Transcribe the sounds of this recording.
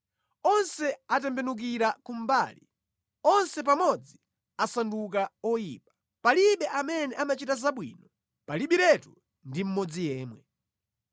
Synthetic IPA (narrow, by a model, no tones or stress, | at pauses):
ɔnsɛatɛmbɛnuk̬iɾakum̩baːlḭ | ɔnsɛp̬amɔd͡zi | asanduk̬aɔjiːpḁ | paliɓɛʔamɛnɛʔamat͡ʃitazaɓwḭːnɔ | paliɓiɾɛtu | ndim̩mɔd͡zijɛːmwɛ